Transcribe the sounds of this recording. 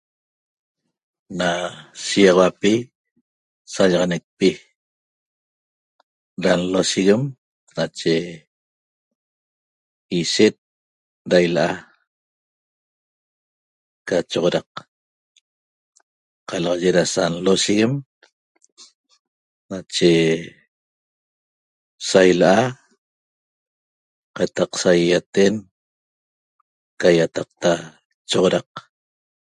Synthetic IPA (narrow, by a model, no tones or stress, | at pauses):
nasiʁawapi | saʎɑʁɑnek̚pi | ɾanlosiɣem | nat͡ʃe | iʃet̪̚ | dajlaʔa | kat͡ʃoʁoɾɑq | qɑlɑʁɑʒeɾasanlosiɣem | nat͡ʃe | sajlʔa | qɑt̪ɑqsajːat̪en | kajat̪ɑq̚t̪a | t͡ʃoʁoɾɑq